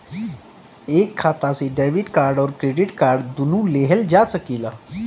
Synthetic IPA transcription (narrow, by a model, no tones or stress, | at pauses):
ekʰːat̪aseɖeʋiʈkaɾɖɔːɾkɾeɖiʈkaɾɖd̪unũleɦəld͡ʑasəkila